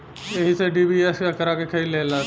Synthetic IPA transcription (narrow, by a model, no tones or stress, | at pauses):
eɦiseɖiːbieskekəɾakekʰɐileːla